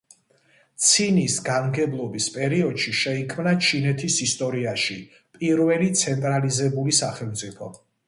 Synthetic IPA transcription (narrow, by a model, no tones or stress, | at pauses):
t̪sʰinisɡanɡɛblˠɔbispʼɛɾiɔd̪̥ʃiʃɛikʰmnat͡ʃʰinɛt̪ʰisist̪ʼɔɾiaʃi | pʼiɾvɛlit̪sʰɛnt̪ʼɾalizɛbulisaχɛlˠmt̪sʼipʰɔ